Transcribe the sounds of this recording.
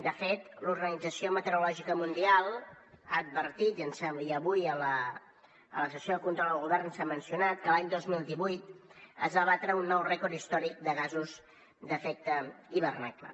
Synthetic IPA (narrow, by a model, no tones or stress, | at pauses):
d̪əfet̪luɾɣənid͡zəsiomət̪əɾulɔʒikəmund̪ialˠ | a̰əd̪̚βəɾt̪it̪iənsɛmiəβujələ | ələsəsjoðəkunt̪ɾɔlˠəlˠɣuβɛrnsamənsijunat̪kəlaɲd̪ozmilˠd̪iβujt̪ə̰zβaβat̪ɾəunːɔwrɛkɔɾist̪ɔɾik̚d̪əɣ̞azuz | d̪əfɛk̚t̪əiβərnaklə̰